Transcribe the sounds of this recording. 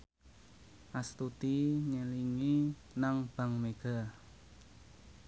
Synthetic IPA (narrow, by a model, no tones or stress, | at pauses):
ʔast̪ut̪iɲəliŋi | naŋb̥a̤ŋmeɡ̥a̤